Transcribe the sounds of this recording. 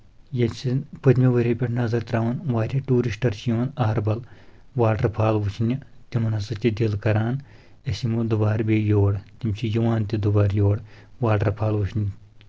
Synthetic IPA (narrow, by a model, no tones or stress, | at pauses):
jɐsinpɐt̪ʲmʲiʋɐɾʲepʲeʈʰnɐzɐɾt̪ɾaːʋɐnʋaːɾʲɐʈuːɾisʈɐɾt͡ʃʰjoːnɐːɐɾbɐl | ʋaːʈɐɾpʰaːlʋut͡ʃʰinʲit̪ʲimɐnɐsɨt̪ʲid̪ʲilkɐɾaːn | ɐsimud̪ubaːɾbʲeːjoːɽt̪imt͡ʃʰijuʋaːnt̪ʲid̪ubaːɾjoːɽ | ʋaːʈɐɾpʰaːlʋut͡ʃʰnʲ